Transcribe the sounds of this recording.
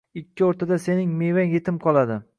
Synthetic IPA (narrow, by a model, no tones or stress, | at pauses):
ɪkʲʰːɪɒɾt̪ʰad̪ase̞nɪŋmevaŋjet̪ʰɪmqʰɒlˠad̪ɪ